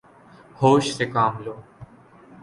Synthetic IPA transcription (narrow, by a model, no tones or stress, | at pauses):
hoːʃsekaːmloː